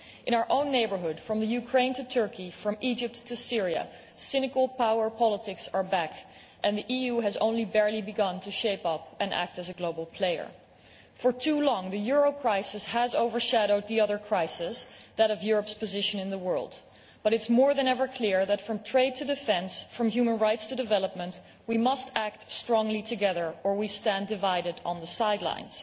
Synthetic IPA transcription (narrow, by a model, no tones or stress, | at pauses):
ʔɨ̃ɾ̃aʊə˞ʔõʊ̃nːeɪbə˞ɦʊd̥fɹʌ̃mðɨjʉkʰɹ̥ẽɪ̃ntʰɨtʰɜ˞kʰifɹʌ̃mʔid͡ʒɨp̚tʰɨsɪɹiɨ̰ | sɪnɨkl̩ˠpʰaʊə˞pʰɑlˠətʰɪksə˞bæk | ʔɨ̃nðiʔijuɨzõ̰ʊ̃nlibɛɹlibɨɡʌ̃ntʰɨʃeɪpʌpʔɨ̃nʔæ̰k̚tɨzɨɡloʊbl̩ˠpʰl̥eɪə̰˞ | fə˞tʰulɔ̃ŋðɨjʊɹoʊkʰɹ̥aɪsɨshɨzoʊvə˞ʃæɾoʊd̪̚ðiʌðə˞kʰɹ̥aɪsɪsðɨɾʌvjʊɹəpspɨzɪʃɨ̃nɨ̃nðəwɜ˞lˠd | b̥ʌɾɨtsmɔɹðɨ̃nɛvə˞kʰl̥ɪɹðɨtfɹʌ̃mtʰɹ̥eɪd̚tʰɨdɨfɛ̃nsfɹʌ̃mjʉmə̃nɹaɪtstʰɨdɨvɛlˠəp̚mə̃nt | wimʌstæk̚tstɹ̥ɔ̃ŋlitʰɨɡɛðə˞ʔə˞wistæ̃ndɨvaɪɾɨɾn̩ðəsaɪdˡlã̰ɪ̃nz̥